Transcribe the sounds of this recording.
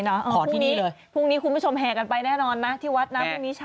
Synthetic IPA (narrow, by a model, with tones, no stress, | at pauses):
nɔ˦˥ʔaː˧ɔː˨˦t̪ːiː˥˩niː˦˥˨lɤː˧j | pʰuː˥˩ŋniː˦˥kʰu˧nmbuː˦˥˩t͡ɕʰo˧mɦɛː˨˩ka˧npa˧jnɛː˥˩nɔː˧nːa˦˥t̪ʰiː˥˩wa˦˥t̪̚na˦˥pʰuː˥˩ŋ̚niː˦˥t͡ɕʰ